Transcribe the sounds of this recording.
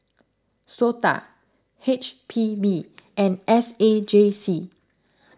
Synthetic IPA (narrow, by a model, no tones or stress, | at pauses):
sota̰ | het͡ʃpʰibiʔɛ̃nɛsed͡ʒesi